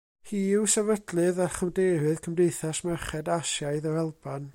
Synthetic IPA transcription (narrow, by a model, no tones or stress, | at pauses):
hiːwsɛvədlˠɨðaχəmdeɾɨðkʰəmdejθasmɛrχɛdaʃjaɨðəɾɛlˠban